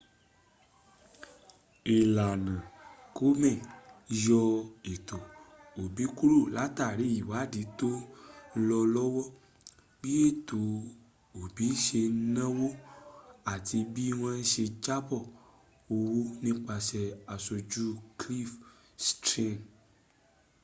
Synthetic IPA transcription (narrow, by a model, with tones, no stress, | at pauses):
e˨la˨nã˨ko˦mɛ̃˦˨jɔ˧e˨t̪ɔ˨o˨bi˨˦ku˦ɾo˦˨la˨˦t̪a˦˨ɾe˨˦ji˨wa˨˦˨di˨˦to˦˧lɔ˧lɔ˦wɔ˦ | bi˦e˦t̪o˨ | o˨bi˨˦ʃe˧˦nã˦wo˦ | a˨ti˧bi˦w̃ɔ̃˦ɛ˦ʃe˧d͡ʒa˦bɔ˦˨ | o˧wu˦nĩ˦k͡pa˧sɛ˧a˨so˧d͡ʒu˦kli˦f | stɾĩ˦n